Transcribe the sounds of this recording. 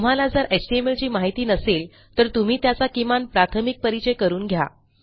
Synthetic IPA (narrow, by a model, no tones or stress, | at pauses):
t̪um̤alad͡zəɾʔet͡ɕɖiemelt͡ɕiːmaɦit̪iːnəsel | t̪əɾt̪um̤iːt̪jat͡sakimanpɾat̪ʰəmik̚pəɾit͡ɕəjkəɾuːnɡʱja̰